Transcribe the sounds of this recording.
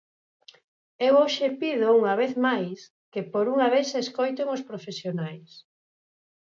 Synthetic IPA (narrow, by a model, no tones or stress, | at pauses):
ewowʃepiðouŋɐβ̞eθmajs | kepoɾuŋɐβeθseskojt̪̬eŋospɾofesjonajs